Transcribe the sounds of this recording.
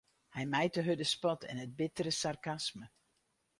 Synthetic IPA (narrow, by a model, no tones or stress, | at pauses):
hɛjmɛjtəɦødəspɔtʰɛ̰nəd̚bɪtərəsarkasmə